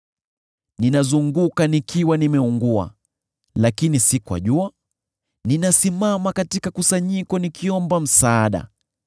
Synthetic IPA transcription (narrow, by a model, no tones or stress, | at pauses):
ninazuŋɡukanikiwanimɛuŋɡua̰ | lakinisikwa̰ʄua | ninasimamakatikakusaɲikɔnikiɔmbam̩saːɗa̰